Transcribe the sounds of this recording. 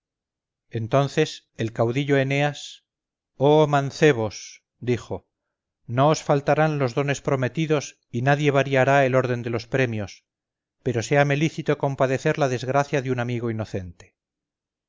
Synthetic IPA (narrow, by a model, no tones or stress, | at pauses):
e̞nt̪o̞nθe̞s | e̞lkawðiʎo̞ene̞as | omãnθe̞β̞o̞s | d̪iχo̞ | no̞osfalt̪aɾanlo̞zðo̞ne̞spɾo̞me̞t̪iðo̞s | inaðje̞β̞aɾjiaɾae̞lo̞ɾðe̞nd̪e̞lo̞spɾe̞mjo̞s | pe̞ɾo̞se̞ame̞liθit̪oko̞mpaðe̞θe̞ɾlaðe̞zɣɾaθjaðjunamiɣo̞ino̞θe̞nt̪e̥